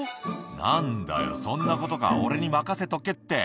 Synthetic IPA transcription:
nãnd̪a̰jo̞̰sõ̞nːako̞t̪o̞ka̰o̞̰ɾe̞ɲ̟imakase̞t̪o̞ke̞t̪ːe̞

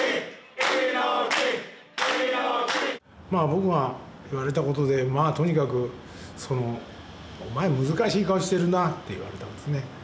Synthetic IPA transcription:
maːbo̞kɯ̟βaiβaɾe̞t̪ako̞t̪o̞d̪e̞maːt̪o̞ɲ̟ikakɯ̟ | so̞no̞ | omaemɯ̟zɨkaɕiːkaoɕi̥t̪e̞ɾɯ̟nat̪ːe̞iβa̰ɾe̞t̪ad̪esne̞

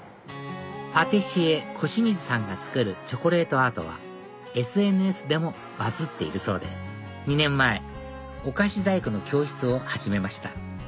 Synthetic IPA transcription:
pat̪e̞ɕie̞kʰo̞ɕimʲizɨsãŋɡat͡sɨ̥kɯ̟ɾɯ̟t͡ɕo̞ko̞ɾe̞ːt̪o̞at̪o̞̰β̞a̰ | e̞sɨe̞nɯ̟e̞sɨd̪e̞mo̞ | bazɨt̪ːe̞iɾɯ̟so̞ːd̪e̞sɨ | ɲ̟inẽ̞mːae̞ | o̞kaɕizaikɯ̟no̞kʲo̞ːçi̥t͡sɨo̞haʑime̞maɕi̥t̪a

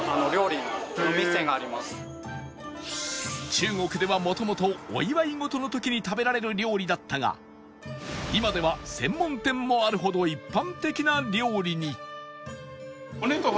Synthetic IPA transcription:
anoɾʲo̞ːɾʲiaomʲiseŋɡaːɾʲimasɨ̥ | t͡ɕɨːŋo̞kɯ̟d̪e̞βamo̞t̪o̞mo̞t̪o̞̰ːiβaiŋo̞t̪o̞no̞t̪o̞kʲiɲ̟it̪abe̞ɾaɾe̞ɾɯ̟ɾʲo̞ːɾʲid̪at̪ːaɡa̰ | imad̪e̞β̞asẽ̞mːõ̞nt̪ẽ̞mːo̞aɾɯ̟ɦo̞d̪o̞ipːãnt̪e̞kʲinaɾʲo̞ːɾʲiɲ̟i | konot̪o

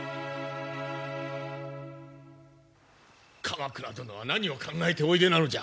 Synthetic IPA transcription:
kʰamakɯ̟ɾat̪onoβanaɲ̟io̞kʰãŋɡaet̪e̞o̞id̪e̞nano̞d͡ʑa̰

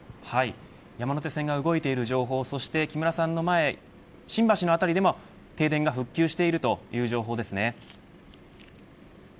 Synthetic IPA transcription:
hai | jamanot̪e̞sẽ̞ŋɡaɯ̟ɡo̞it̪e̞iɾɯ̟ʑo̞ːɦo̞ːso̞ɕi̥t̪e̞kʲimɯ̟ɾasãnːo̞mae̞ | ɕĩmbaɕino̞at̪aɾʲid̪e̞mo̞ | t̪e̞ːd̪ẽ̞ŋɡaɸɯ̟kʲːɨːɕi̥t̪e̞iɾɯ̟t̪o̞jɯ̟ːʑo̞ːɦo̞ːd̪e̞sɨne̞

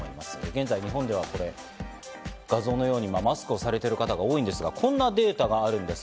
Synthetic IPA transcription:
imasɨ̥d̪eɡẽ̞nzaiɲ̟iɦõ̞nd̪e̞β̞ako̞ɾe̞ | ɡ̥azo̞ːno̞jo̞ːɲ̟imamasɨ̥kɯ̟o̞saɾe̞t̪e̞ɾɯ̟kat̪aɡao̞ːĩnd̪e̞sɨɡakʰõ̞nːad̪e̞ːt̪aɡaːɾɯ̟̃nd̪e̞s

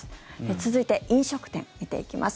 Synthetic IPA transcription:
et͡sɨzɨit̪e̞ʔĩɰ̃ɕo̞kɯ̟̥t̪ẽ̞ŋit̪e̞̰ikʲimʔa̰s

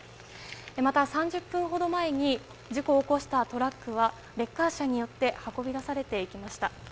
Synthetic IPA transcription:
emat̪asãɲ̟d͡ʑɨpːɯ̟̃ɰ̃ɦo̞d̪o̞mae̞ɲ̟i | d͡ʑiko̞ːko̞ɕi̥t̪at̪o̞ɾakːɯ̟βa | ɾe̞kːaɕaɲ̟ijo̞t̪ːe̞hako̞bʲid̪asaɾe̞t̪e̞ikʲimaɕi̥t̪a

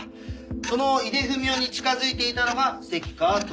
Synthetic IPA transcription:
ko̞no̞id̪e̞ɸɯ̟mʲjo̞ːɲ̟it͡ɕi̥kazɨit̪e̞it̪ano̞ɡase̞kʲi̥kat̪

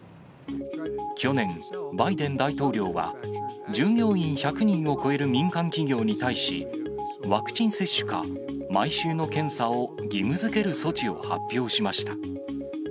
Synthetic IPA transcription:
kʲo̞nẽ̞ŋbaid̪ẽ̞nd̪ait̪o̞ːɾʲo̞ːβa̰d͡ʑɨːŋjo̞ːĩɰ̃çakɯ̟ɲ̟ĩɰ̃o̞ko̞e̞ɾɯ̟mʲĩŋkãŋkʲiɡʲo̞ːɲ̟it̪aiɕḭβakɯ̟̥t͡ɕĩɰ̃se̞ɕːɨ̥ka̰ | maiɕɨːno̞kẽ̞ɰ̃sao̞ɡʲimɯ̟zɨke̞ɾɯ̟so̞t͡ɕio̞̰ha̰pʲːjo̞ːɕimaɕi̥t̪ḁ

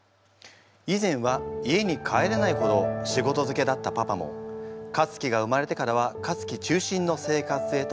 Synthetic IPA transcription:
izẽ̞ɰ̃βaie̞ɲ̟ikʰae̞ɾenaiho̞d̪o̞ɕiɡo̞t̪o̞zɨke̞d̪at̪ːapapamõ̞̰kat͡sɨ̥kʲiɡaɯ̟maɾe̞t̪e̞kaɾaβ̞akat͡sɨ̥kʲit͡ɕɨːɕĩnːo̞se̞ːkat͡sɨ̥se̞ːt̪

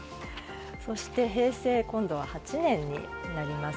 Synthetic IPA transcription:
so̞ɕi̥t̪e̞ɦe̞ːse̞ːkõ̞nd̪o̞β̞ahat͡ɕinẽ̞ɲ̟ːḭnaɾʲimas

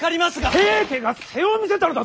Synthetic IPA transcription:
kaɾʲimasɨɡaekeɡase̞omʲise̞t̪aɾod̪a

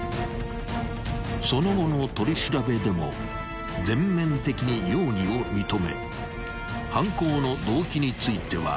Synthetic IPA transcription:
so̞no̞ɡo̞no̞t̪o̞ɾʲiɕiɾabe̞d̪e̞mo̞̰ | d͡zẽ̞mːẽ̞nt̪e̞kʲiɲ̟ijo̞ːɲio̞mʲit̪o̞me̞̰ | hãŋko̞ːno̞d̪o̞ːkʲiɲ̟it͡sɨit̪e̞βa̰

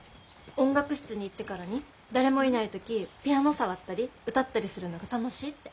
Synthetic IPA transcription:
õ̞ŋɡakɯ̟ɕi̥t͡sɨɲ̟iːt̪ːe̞kaɾaɲ̟i | d̪aɾe̞mo̞inait̪o̞kʲipʲiano̞saβat̪ːaɾʲiɯ̟t̪at̪ːaɾʲisɨɾɯ̟noɡat̪ano̞ɕiːt̪ːe̞

